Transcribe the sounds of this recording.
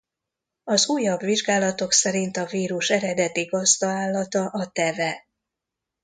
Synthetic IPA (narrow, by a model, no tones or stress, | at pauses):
ɒzuːjːɒbʋiʒɡaːlɒt̪o̞ksɛɾint̪ɒviːɾuʃɛɾɛd̪ɛt̪iɡɒzd̪ɒaːlːɒt̪ɒʔɒt̪ɛvɛ